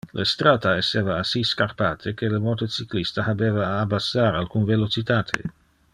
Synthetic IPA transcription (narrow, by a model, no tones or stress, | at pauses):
lest̪ɾat̪aesːeːvaːsiskarpaːt̪ʰek̟elemot̪ot͡siklist̪ahabeːvaːbasːaɾalkunvelot͡ʃit̪aːt̪ʰḛ